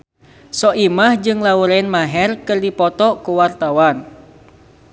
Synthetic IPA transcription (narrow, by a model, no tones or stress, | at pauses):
sɔʔimahd͡ʒɨŋlauɾaɪnmaɦɛrkɨrdipɔt̪ɔkuwart̪awan